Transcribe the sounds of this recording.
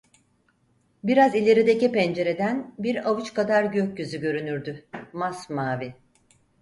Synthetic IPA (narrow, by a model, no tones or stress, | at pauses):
biɾazilʲe̞ɾid̪e̞cipɛnd͡ʒe̞ɾe̞d̪ænbiɾavɯt͡ʃkad̪aɾɟøc̚ɟyzyɟø̞ɾynyɾd̪ymasmaːvi